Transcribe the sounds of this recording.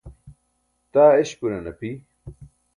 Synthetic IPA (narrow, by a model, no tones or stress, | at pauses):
t̪aːeɕpuɾɐnɐpi